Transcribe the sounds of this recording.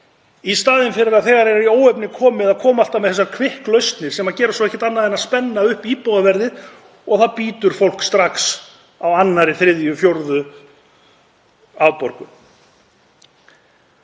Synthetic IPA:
ist̪aːðɪnfɪɾɪɾaðθɛɣaɾɛɾaɾioːwɛpnɪkʰɔːmɪðaðkʰɔːmaal̥t̪amɛðθɛs̬ːakʰvɪhklœɥst̪nɪɾsɛmaðcɛːɾasɔɛhcːɪ̥t̪anːaðɛnaspɛnːaʏhpiːpowðavɛɾðɪð | ɔɣθaðpiːt̪ʏɾ̥fowl̥kst̪ɾaks | awanːaɾɪθɾɪðjʏfjowɾðʏ | avpɔɾkʏm

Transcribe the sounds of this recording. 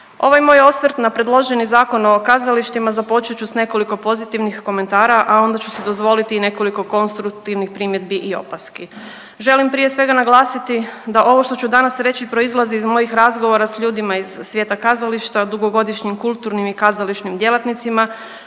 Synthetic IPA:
o̞ʋajmo̞jo̞sʋɾt̪napɾe̞d̪lˠo̞ʒe̞nizaːko̞no̞kazaliʃt̪imazapo̞t͡ʃet͡ʃusne̞ko̞liko̞po̞zit̪iʋnixko̞me̞nt̪aːɾaʔao̞nd̪at͡ɕusid̪o̞zʋo̞lit̪iːne̞ko̞liko̞ko̞nst̪ɾuk̚t̪iʋnixpɾimje̞d̪̚biʔio̞̰paski | ʒe̞limpɾije̞sʋe̞ɡanaɡlˠaːsit̪id̪aʔo̞ʋo̞ʃt̪o̞t͡ɕud̪anasɾe̞t͡ɕipɾo̞izlˠaziːzmo̞jixɾazɡo̞ʋo̞ɾasʎuːd̪imaiz̥ːʋje̞t̪akazaliʃt̪ad̪uɡo̞ɡo̞d̪iʃɲimkulˠt̪uɾnimikazaliʃnimd̪je̞lˠat̪nit̪sima

